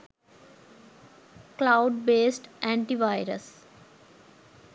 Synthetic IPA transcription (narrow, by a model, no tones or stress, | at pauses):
klaʊɖbeːsʈɛ̃ːɳʈiʋaɪɾə̰s